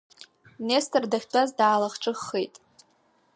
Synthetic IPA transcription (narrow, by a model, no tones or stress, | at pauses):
nestʰɨrdaχʲtʷʰʼazdaːlaχʈ͡ʂʼɨχːejtʼ